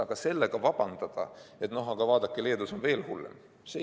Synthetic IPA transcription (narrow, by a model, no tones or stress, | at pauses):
ɑɡ̥ɑse̞lːeɡ̥ɑvɑb̥ɑnd̪̥ɑd̪̥ɑ̰e̞t̪no̞ɦɑɡ̥ɑvɑːd̪̥ɑkːˑile̞ːd̪uso̞nve̞ːlhulːḛm | se